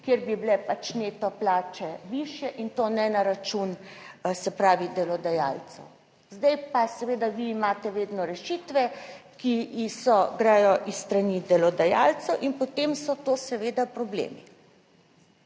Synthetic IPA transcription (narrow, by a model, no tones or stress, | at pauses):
kjeɾbiblɛpat͡ʃneːt̪ɔplaːt͡ʃɛʋiʃjɛʔint̪oːnɛnaɾat͡ʃunsɛpɾaːʋid̪ɛlɔd̪aja̰ːlt̪sɛ̰w | zd̪ajpasɛʋeːd̪aʋiːmaːt̪ɛʋeːd̪nɔɾɛʃit̪ʋɛkisɔɡɾaːjɔʔisst̪ɾanid̪ɛlɔd̪aja̰ːlt̪sɛwʔinpot̪emsɔt̪oːsɛʋeːd̪apɾɔblḛːmi